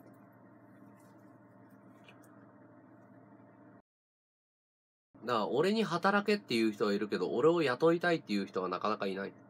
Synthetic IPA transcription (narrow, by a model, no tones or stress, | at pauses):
d̪aːo̞ɾe̞ɲ̟iɦat̪aɾake̞t̪ːe̞jɯ̟ːçʲi̥t̪o̞βaiɾɯ̟ke̞d̪o̞̰ʔoɾe̞o̞jat̪o̞it̪ait̪ːe̞jɯ̟çi̥t̪o̞β̞anakanakainai